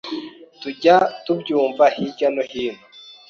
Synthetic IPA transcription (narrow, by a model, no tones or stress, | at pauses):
tuɟatubɟuːmvahiɟanohina